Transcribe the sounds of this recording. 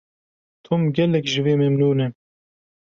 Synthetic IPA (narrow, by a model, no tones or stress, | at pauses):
t̪ʰʊmɡʲɛlɛkʒɨveːmɛmnuːnɛ